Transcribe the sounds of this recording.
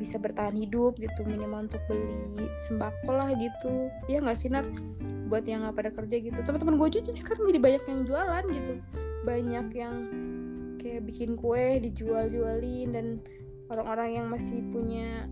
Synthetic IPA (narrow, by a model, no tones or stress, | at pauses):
bisabərt̪aɦanhidʊp̚ɡit̪uminimaunt̪ʊk̚bəlisəmbakɔlahɡit̪u | jaŋɡaʔsinər | buat̪jaŋɡapadakərd͡ʒaɡit̪ut̪əmənəmənɡuad͡ʒut͡ʃasə̥kaɾaŋd͡ʒadibaɲakjaŋd͡ʒualanɡit̪ubaɲakjaŋ | kajaʔbikɪnkuɛhdid͡ʒuald͡ʒualɪndan | oɾaŋoɾaŋjaŋmasɪhpuɲa